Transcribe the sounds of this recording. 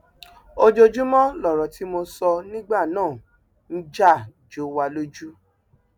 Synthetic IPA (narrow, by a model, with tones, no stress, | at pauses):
o˧d͡ʒo˧d͡ʒu˦mɔ̃˦lɔ˨ɾɔ˨ti˨˦mo˧sɔ˧nĩ˦ɡ͡ba˦˨nãː˦˨ | n̩˦d͡ʒa˦˨ | d͡ʒo˨˦wa˧lo˦d͡ʒu˦